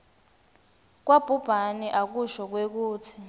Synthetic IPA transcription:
k̬wab̥ʱub̥ʱaniʔak̬uʃɔk̬wek̬uːtʰi

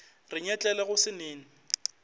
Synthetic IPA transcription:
rɪɲɛt͡ɬʼɛlɛɣʊsɪneːn̩

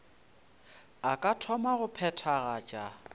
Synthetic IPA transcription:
akʼatʰɔmaɣʊpʰɛtʰaɣat͡ʃʼa

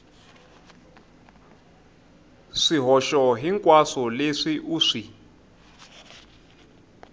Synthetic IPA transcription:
ʂiɦɔʃɔɦiŋkʼwasɔleʂiʔuʂi

